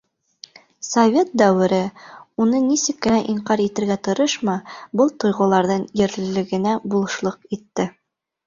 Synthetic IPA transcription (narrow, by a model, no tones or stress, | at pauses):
sɐvʲet̪̚d̪æwɘ̆ɾɘunɤnisɘkːɘ̆næʔiɴqɑɾit̪ɘ̆ɾɡæt̪ŏɾɤʃmɑbɤlˠt̪ŏjʁɤ̆lˠɑɾðɤɴjɘ̆ɾlɘ̆lɘ̆ɡɘ̆næbulˠɤ̆ʃlˠɤqit̪ːɘ